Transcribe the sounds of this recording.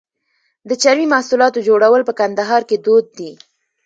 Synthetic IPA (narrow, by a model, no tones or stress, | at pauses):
d̪ət͡ʃawimahsulɑt̪od͡ʒoɽawəlpəkand̪aɦɑɾked̪od̪̚ːi